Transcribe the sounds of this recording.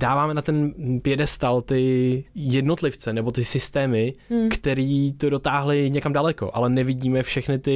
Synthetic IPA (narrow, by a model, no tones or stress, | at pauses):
d̥aːvaːmɛnat̪ɛnpjɛdɛst̪alt̪ɪjɛdno̞t̪lɪft͡sɛnɛbo̞t̪ɪsɪst̪ɛːmɪkt̪ɛɾiːt̪o̞do̞t̪aːɦlɪɲɛkamdalɛko̞̰ʔalɛnɛvɪɟiːmɛfʃɛxnɪt̪ɪ